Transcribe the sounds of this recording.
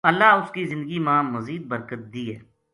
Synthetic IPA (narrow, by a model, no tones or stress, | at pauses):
əlːaːʊskizɪ̃nd̪əɡimãːməziːd̪̚bəɾkət̪̚d̪iːɦɛː